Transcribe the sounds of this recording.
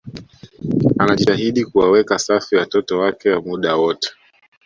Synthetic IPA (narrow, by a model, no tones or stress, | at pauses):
anaʄiaɦiɗikuwawɛkasafiwatɔtɔwakɛwamuɗawɔtɛ̥